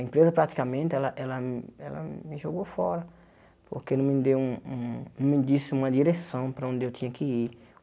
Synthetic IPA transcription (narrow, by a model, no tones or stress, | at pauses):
ɐẽpɾezɐpɾat̪i̥kɐmẽnt̪ɪɛlɐʔɛlɐɛlɐ̰mɪʒoɡofɔɾɐ | po̰ɾkenɐ̃mɪd̪ewũũñmɪd͡ʒ̪isɪũmɐd̪iɾesɐ̃w̃pɾɐõnd̪ɪewt̪ʰĩɲɐkɪiɾ